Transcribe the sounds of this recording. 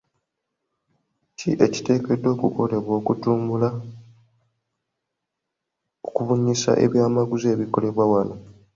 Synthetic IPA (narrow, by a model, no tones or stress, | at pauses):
ciʔe̞ci̥te̞ːke̞dːo̞ːkuko̞le̞βwo̞ːkutuːmbula | okuβuɲːisa̰ʔe̞̰βjaːmaɡuze̞ːβiko̞le̞βwawano